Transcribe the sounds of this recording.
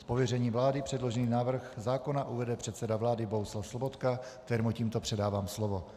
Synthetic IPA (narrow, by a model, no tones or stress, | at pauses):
spovjɛrɛɲiːvlaːdɪpr̝̥ɛdlo̞ʒɛniːnaːvr̩xzaːko̞naʔuvɛdɛpr̝̥ɛt̪sɛdavlaːdɪboɦuslafslobot̪kakkt̪ɛɾmuciːmt̪o̞pr̥ɛdaːvaːmslovo